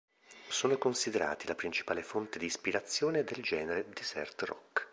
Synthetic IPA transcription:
soːnokonsid̪eɾa̰ːt̪ilapɾint͡ʃi̥paːlefont̪ed̪iːspiɾat̪sːjoːned̪eld͡ʒɛːneɾed̪isɛ̰rt̪rɔ̰k

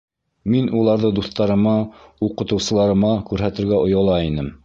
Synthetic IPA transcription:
minulˠɑɾðɤd̪uθt̪ɑɾɤ̆mɑuqɤ̆t̪ɤ̆wsɤ̆lˠɑɾɤ̆mɑkʉɾɦæt̪ɘ̆ɾɡæʔŏjɑlˠɑinɘm

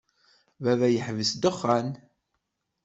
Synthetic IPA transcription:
vævæjəħvəsd̪əχːæn

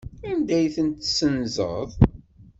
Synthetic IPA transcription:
ænd̪æjθənt̪sənzə̰ðˤ

